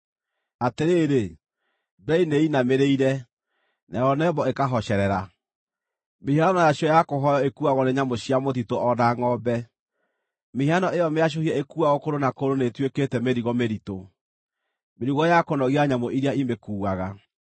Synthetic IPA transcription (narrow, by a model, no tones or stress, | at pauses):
ateɾeːɾe | bɛineinameɾeiɾɛ | nʔaɔnɛbɔekaɦɔɕɛɾɛɾa | meianɔjaɕjɔjakoɦɔjɔekuaɣɔneɲamoɕiamot̬itoʔɔðaŋɔbɛ | mehianɔejɔmeaʃ̬ohiɛekuaɣokoɾonakoɾonetweketɛmeɾiɣɔmeɾito | meɾiɣɔjakonɔɣiaɲamoʔiɾiaimekuːwaɣa